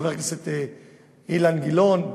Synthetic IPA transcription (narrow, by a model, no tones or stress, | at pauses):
veʁkaset̪e | ilanɡilonb